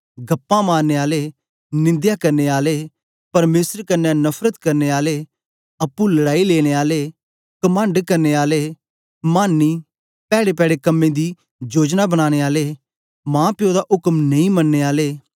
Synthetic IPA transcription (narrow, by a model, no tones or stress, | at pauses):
ɡɐpːãmãːnːeːaːle | nɪ̃nd̪jakɐɾneːaːleː | pɐɾmeːsəɾkɐnːanɐpʰɾət̪kɐɾneːaːleː | ɐpːũlɐɽaːileːɽ̃eːaːleː | kɐmə̃ɳɖkɐɾneːaːleː | maːnːiː | pɛːɽepɛːɽekɐmːẽd̪i | d͡ʒoːd͡ʒnabɐɽ̃aːɽ̃eːaːleː | mãːpjõd̪aʔʊkmnɐĩmɐnːeːaːleː